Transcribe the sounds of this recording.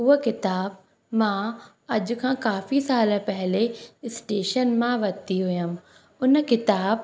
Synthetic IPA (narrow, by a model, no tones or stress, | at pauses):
ʊɦokɪt̪aːb̚ | mãː | ɐʄʊ̆kʰãːkaːfisaːl̆pɛɦɪleɪsʈeːʃənmãʋɐt̪iɦʊjəm | ʊnkɪt̪aːb